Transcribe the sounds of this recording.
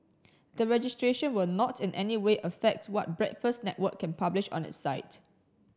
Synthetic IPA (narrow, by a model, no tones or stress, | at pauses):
dəɹɛd͡ʒɪstɹeʃə̃nwɪlnɔtʰɪ̃nʔɛniweʔəfɛk̚twɔt̚bɹɛ̰tfəstnɛ̰twəkʰːɛ̃npʰablɪʃɔ̰̃nɪ̰tsaɪt